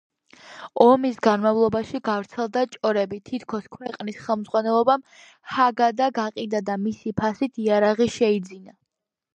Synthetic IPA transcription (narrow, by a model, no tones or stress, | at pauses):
ɔmisɡanmavlˠɔbaʃiɡavɾt̪sʰɛlˠd̪at͡ʃʼɔɾɛbit̪ʰit̪ʰkʰɔskʰwɛqʼnisχɛlˠmd̪zʁwanɛlˠɔbam | haɡad̪aɡaqʼid̪ad̪amisipʰasit̪ʰiaɾaʁiʃɛid̪zina